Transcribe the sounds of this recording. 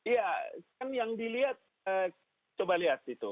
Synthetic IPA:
ijakanjaŋdiliɦat̪̚ | ə | t͡ʃəbaliat̪it̪u

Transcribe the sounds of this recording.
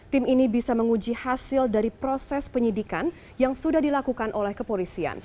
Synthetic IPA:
t̪iminibisaməŋud͡ʒihasɪldaɾipɾosɛspəɲidikan | jaŋsudahdilakukanʔolɛhkəpolisia̰n

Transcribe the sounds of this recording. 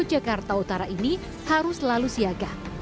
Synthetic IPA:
d͡ʒakart̪aut̪aɾaʔini | haɾʊslalusiaɡah

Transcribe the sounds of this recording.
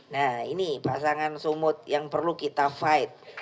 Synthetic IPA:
nainipas̬aŋansumʊt̪̚jaŋpərlukit̪afaɪt̪̚

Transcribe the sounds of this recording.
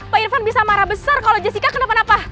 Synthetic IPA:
pairfanbisamaɾabəsarkalod͡ʒasikakənapanapa

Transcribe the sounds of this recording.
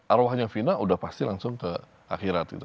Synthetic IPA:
ʔaɾwaɦaɲaŋfinaudahpast̪ilaŋsʊŋkə | a̰kiɾat̪̚ɡit̪u

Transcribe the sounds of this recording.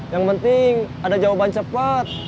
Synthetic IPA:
jaŋpənt̪ɪŋ | adad͡ʒawabant͡ʃəpət̪̚

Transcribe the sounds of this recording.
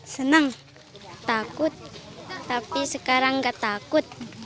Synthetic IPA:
sənəŋ | t̪akʊt̪̚ːapisəkaɾaŋɡat̪akʊt̪̚

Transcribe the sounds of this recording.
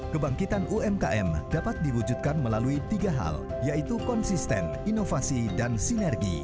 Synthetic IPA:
kəbaŋkit̪anuɛmkaʔɛmdapat̪̚diwud͡ʒut̪̚kanməlaluit̪iɡaɦa̰l | jait̪ukɔnsist̪ɛ̰n | inofasidansinɛrɡḭ

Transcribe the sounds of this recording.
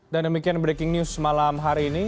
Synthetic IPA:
dandəmikianbɾekɪŋnjusmalamɦaɾiːni

